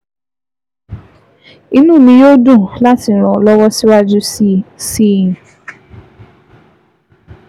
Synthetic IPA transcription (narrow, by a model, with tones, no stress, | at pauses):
i˦nũ˦˨mĩ˧jo˦dũ˦˨la˦ti˨ɾ̃ɔ̃˨lɔ˦wɔ˦si˦wa˦d͡ʒu˦sĩ˦˨